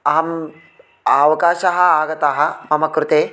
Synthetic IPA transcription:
ɐɦɐm | aːʋɐkaːʃɐɦɐaːɡɐt̪aːɦɐmɐmɐkɾut̪eː

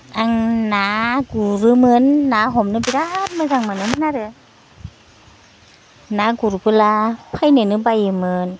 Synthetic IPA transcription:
ʔaŋnaɡuɾɯmɯnːaːɦɔmnɯpiɾat̚mɯzaŋmɯnɯmɯnaɾɯ | nakuɾupɯlapʰajnɯnɯbajɯmɯn

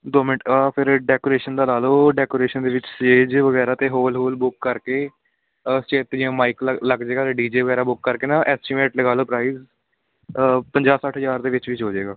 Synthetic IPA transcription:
d̪oːmɪnɪʈaːpʰɪɾɖɛːkoːɾeːʃənd̪aːlaːloːɖɛːkoːɾeːʃənd̪eːʋɪt͡ʃsʈeːd͡ʒʋəɡɛːɾaːt̪eːɦoːlɦoːlbʊkːəɾkeː | st͡ʃeːt̪d͡ʒɪãːmaːikləɡd͡ʒeːɡaːt̪eːɖiːd͡ʒeːʋəɡɛːɾaːbʊkːəɾkeːnãːʔɛːsʈɪmeːʈləɡaːloːpɾaːiːz | pəɲd͡ʒaːsaːʈʰɦəzaːɾd̪eːʋɪt͡ʃʋɪt͡ʃɦoːd͡ʒeːɡaː

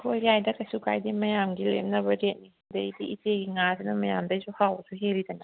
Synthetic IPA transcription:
hʰoljajdɐkɐsukʰa̰jdimɐjamɡilḛm̚nɐbɐɾet̚nisiŋdɐjdiiteɡiŋasinɐmɐjamdɐjsuhawɐsuɦelidɐnɐ

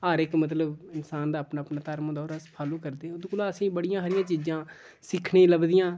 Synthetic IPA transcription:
aːɾɪkmət̪̬ləbɪnsaːnd̪aːəpnaːpnaːt̪əɾmõːd̪ɔːɾaspʰaːlõːkəɾd̪eːʊd̪kolaːəsĩːbəɽɪjãːɦəɾɪjãːt͡ʃiːd͡ʒãː | sɪkʰɳeːləbd̪ɪjãː

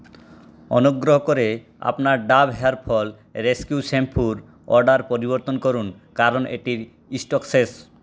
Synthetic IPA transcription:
ɔ̰noɡɾoɦokoɾe | a̰pnaɾɖabɦɛaɾpʰɔl | ɾeskiusempʰuɾ | ɔɾɖaɾpoɾiboɾt̪onkoɾun | kaɾonḛʈiɾ | isʈokses

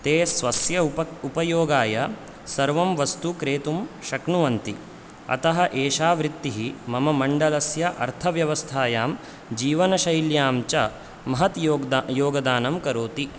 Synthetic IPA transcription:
t̪eːsʋɐsjɐupɐjoːɡaːjɐ | sɐɾʋɐmʋɐst̪ukɾeːt̪umʃɐknuʋɐnt̪i | ɐ̰t̪ɐɦɐʔeːʃaːʋɾit̪ːiɦimɐmɐmɐɳɖɐlɐsjɐʔɐɾt̪ʰɐʋjɐʋɐst̪ʰaːjaːm | d͡ʒiːʋɐnɐʃɐjljaːmt͡ʃɐ | mɐɦɐt̪ːjoːɡɐd̪aːnɐmkɐɾoːt̪i

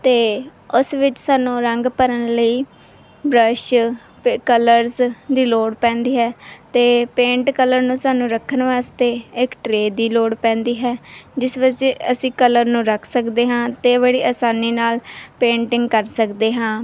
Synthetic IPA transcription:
t̪eːʊsʋɪt͡ʃsaːnũːɾəŋɡpəɾənləiː | bɾəʃ | kələɾzd̪iːloːɽpɛ̃ːnd̪iːɦɛːt̪eːpẽːɳʈkələɾnũːsaːnũːɾəkʰːənʋaːst̪eːɪkʈɾeːd̪iːloːɽpɛ̃ːnd̪iːɦɛːd͡ʒɪsʋəd͡ʒeːəsĩːkələɾnũːɾəkʰsəkd̪eːɦãːt̪eːβəɽiːaːsaːniːnaːlpẽːɳʈɪŋɡkəɾsəkd̪eːɦãː

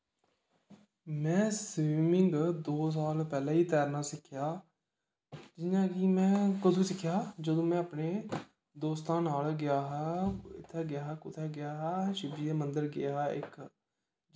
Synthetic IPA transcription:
mɛ̃ːsʋiːmɪŋɡd̪oːs̬aːlpɛːlãːiːt̪ɛːɾnaːsɪkʰːɪjaː | d͡ʒɪnãːkiːmɛ̃ːkəd̪ũːsɪkʰːjaːd͡ʒəd̪õːmɛ̃ːəpneː | d̪oːst̪ãːnaːlɡɪjaːɦɛːɪ̰t̪ʰːeːɡɪjaːɦɛːkʊt̪ʰeːɡɪjaːɦɛːʃɪbiːeːmənd̪əɾɡɪ̰aːɪ̰k

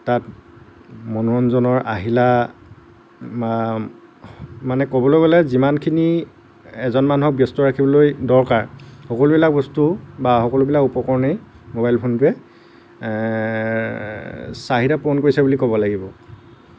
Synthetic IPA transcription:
tat | mɔnɔɹɔnzɔnɔɹa̰ɦila | ma | manɛkɔbɔlojɡɔlɛzimankʰini | ɛzɔnmanuɦɔk̚bjɔstɔɹakʰibɔlojdɔɹkaɹxɔkɔlubilak̚bɔstubaxɔkɔlubilakupɔkɔɹɔnej | mobajlpʰontʊɛ | saɦidaponkoɹisɛbulikɔbɔlaɡibɔ

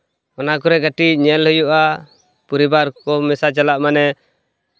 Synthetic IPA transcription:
ɔnakɔɾɛɡəʈicɲɛlɦujuʔa | puɾibaɾkɔmɛsat͡ʃalaʔmanɛ

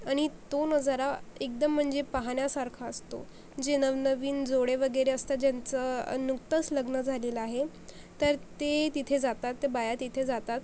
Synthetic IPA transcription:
aɽ̃it̪onəd͡zaɾaek̚d̪əm̤ːəɳd͡zepaɦaɳjasaɾkʰaəst̪o̰ | d͡ʑenəʋnəʋiːnd͡zoɽeʋəɡəɾeəst̪ad͡ʑjant͡sənukt̪ət͡sləɡnəd͡zʱaleləaɦe | t̪əɾt̪et̪it̪ʰed͡zat̪at̪ːebajat̪it̪ʰed͡zat̪at̪

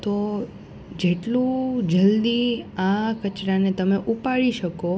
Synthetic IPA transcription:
t̪o | d͡ʒeʈlũd͡ʒəld̪iakət͡ʃɾanet̪əmeʔupaɭiʃəko

